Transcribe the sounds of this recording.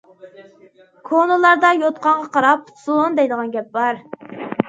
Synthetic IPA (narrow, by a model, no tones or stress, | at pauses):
kʰonɨlˠɑɾd̪ɑjot̪̚qʰɑɴʁɑqʰɑɾɑpsond̪ɛjd̪əʁɑnɡʲɛp̚bɑɾ